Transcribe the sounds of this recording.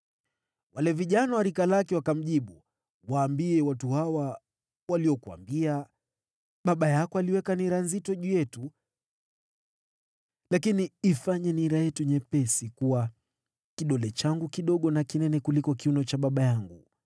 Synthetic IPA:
walɛviʄanawaɾikalakɛwakam̩ʄiɓu | waːmbiɛwatuhawa | waliɔkua̰mbia | ɓaɓajakɔaliwɛkaniɾanzitɔʄujɛtu | lakiniifaɲɛniɾajɛtuɲɛpɛsikuwa | kiɗɔlɛt͡ʃaŋɡukiɗɔɠɔnakinɛnɛkulikɔkiunɔt͡ʃaɓaɓajaŋɡu

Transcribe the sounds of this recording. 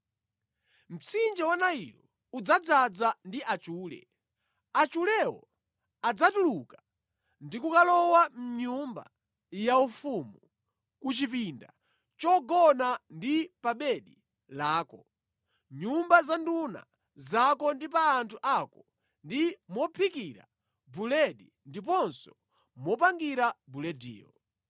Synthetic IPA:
m̩t͡sind͡ʒɛwanaḭlɔ | ud͡zad͡zad͡zandiʔat͡ʃuːlɛ̰ | at͡ʃulɛwɔ̰ | ad͡zatuluka | ndikukalɔwam̩ɲumba̰ | jaufumu | kut͡ʃipinda̰ | t͡ʃɔɡɔnandipaɓɛɗi | laːkɔ | ɲumbazanduna̰ | zakɔndipaːntʰuʔakɔ | ndimɔpʰikiɾa̰ | bulɛɗi | ndipɔnsɔ | mɔpaŋɡiɾabulɛdḭːɔ

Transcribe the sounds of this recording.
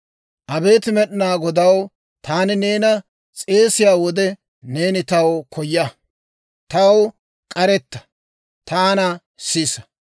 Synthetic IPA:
ʔɐbe̞ːt̪ɪmɛɗɪnaːɡɔd̪ɐw | t̪aːnɪne̞ːnɐ | t͡sʼe̞ːsɪjaːwɔd̪ɛ | ne̞ːnɪt̪ɐwkʰɔjːɐ | t̪ɐw | kʼɐɾɛt̪ːɐ̥ | t̪aːnɐ | sisɐ̥

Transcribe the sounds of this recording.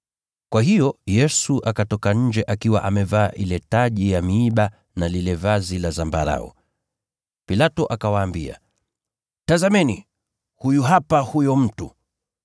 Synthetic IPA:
kwaɦijɔjɛsuʔakatɔkaɲ̩d͡ʒɛʔakiwa̰ʔamɛvaːʔilɛtaʄijamiːɓa | nalilɛvazilazambaɾa̰ɔ̰ | pilatɔʔakawaːmbia̰ | tazamɛni | hujuɦapahujɔm̩tu

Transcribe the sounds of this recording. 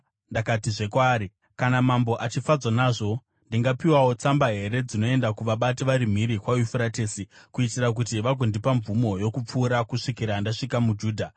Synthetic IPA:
ndakatiʐe̞kwaːɾi | kanamambo̞ʔat͡ʃifad͡zanaːʐo̞ | ndiŋɡapiwawo̞t͡sambaɦe̞ɾe̞d͡zino̞e̞ndakuʋaɓatiʋaɾim̤iɾikwajufuɾateːsikuitirak̬utiʋaɡʱondipaɱvumo̞jo̞kup͡fuːɾakuʂikiɾandaʂikamud͡ʒuːdʱa

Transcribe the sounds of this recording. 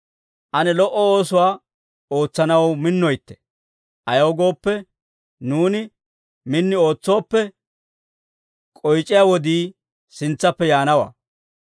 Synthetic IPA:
ʔɐnɛlɔʔɔoːsʊwaː | o̞ːt͡sːɐnɐwmɪnːɔjt̪ːɛ̥ | ʔɐjɐwɡo̞ːpːɛ | nuːnɪ | mɪnːɪo̞ːt͡sːo̞ːpːɛ | kʼɔjt͡ʃʼːɪjaːwɔd̪iː | sɪnt͡sːɐpːɛjaːnɐwa̰ː

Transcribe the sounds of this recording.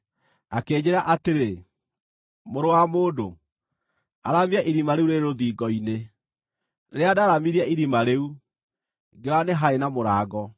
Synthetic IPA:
akeːd͡ʑeɾaʔateɾe | moɾowamoːdo | aɾamiaʔiɾimaɾeuɾeɾɾoðiːɡɔine | ɾeadaɾamiɾiaiɾimaɾeu | ɡeɾaneɦaenamoɾaːɡɔ

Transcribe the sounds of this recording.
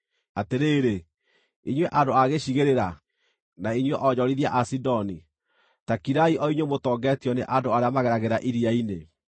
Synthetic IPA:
ateɾeːɾe | iɲwɛʔadoaɣeɕiɣeɾeɾa | naiɲwɛʔɔɲɔɾiðiaʔasidɔni | takiɾaiʔɔiɲwemotɔːɡɛːtjɔneʔadoaɾeamaɣɛɾaɣeɾaʔiɾiaine

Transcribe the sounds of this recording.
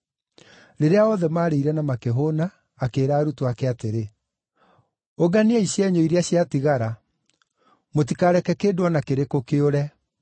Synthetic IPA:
ɾeɾeaɔðɛmaːɾeiɾɛnamakeɦonaː | keːɾaːɾutoakɛateɾe | oɡaniaiɕjɛɲoiɾeaɕjatiɣaɾa | motikaɾɛkɛkeːdwɔnakeɾekokeoɾɛ

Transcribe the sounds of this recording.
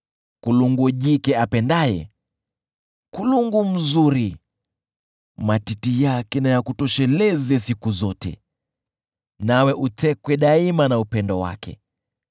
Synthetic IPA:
kuluŋɡuʄikɛapɛndajɛ̰ | kuluŋɡum̩zuɾi | matitijakɛnajakutɔʃɛlɛzɛsikuzɔtɛ̰ | nawɛʔutɛkwɛɗaimanaupɛndɔwa̰kɛ̰

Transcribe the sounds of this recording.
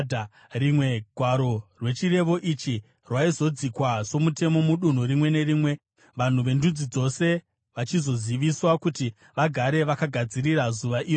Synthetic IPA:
rimwe̞ɡʱwaɾo̞rwe̞t͡ʃire̞ʋo̞ʔit͡ʃi | rwaizo̞d͡zikwazo̞mute̞mo̞muɗun̤uɾimwe̞ne̞ɾiːmwe̞ | ʋan̤uʋe̞ndud͡zid͡zo̞se̞ | ʋat͡ʃizo̞ziʋiswakuti | ʋaɡʱaɾe̞ʋakaɡʱad͡ziɾirazuʋaʔiːro

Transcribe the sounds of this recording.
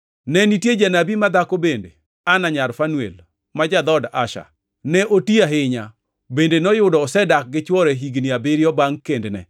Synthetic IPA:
nɛnitjed͡ʒanabimad̪akobendḛ | anaɲaɾfanuḛl | mad͡ʒad̪ɔda̰ʃa̰ | nɛʔotiaɦɪɲa | bendenɔjʊdɔːsɛdak̚ɡɪt͡ʃwɔɾɛɦiɡniabɪɾjɔbaŋkendnɛ̰

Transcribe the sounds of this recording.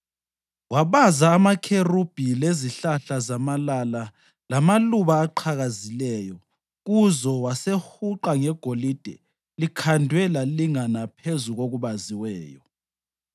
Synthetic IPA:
waβazaːmakʰerub̥ʱileziɬaɬazamalala | lamaluβaːǃʰaɣazilɛːjɔ | ɣuzɔwasehuǃaŋɛɡ̥ʱolid̥ʱɛ | likʰandʱwɛlaliŋanapʰezuɣoɣuβaziwɛːjɔ

